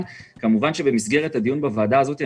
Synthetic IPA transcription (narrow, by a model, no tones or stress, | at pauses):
lkamuvanʃe̞be̞misɡe̞ʁe̞thad̪ijunbavaːdaːzo̞t̪ja